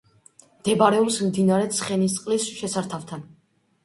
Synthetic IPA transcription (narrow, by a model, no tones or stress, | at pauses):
md̪̥ɛbaɾɛɔpsmd̪inaɾɛt̪sʰχɛnist̪ʼqʼlisʃɛsaɾt̪ʰaft̪ʰan